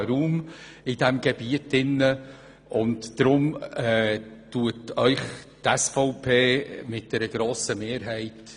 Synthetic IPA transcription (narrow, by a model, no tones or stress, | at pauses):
ɾuːm | ɪd̥ɛmɡɛbiətɪnːə | ʔʊntd̥ɾʊmɛtuətœʏχtɛsfɔʊpʰeːmɪt̚d̥ɛɾəɡ̥ɾoːsəmeːɾɦɛɪt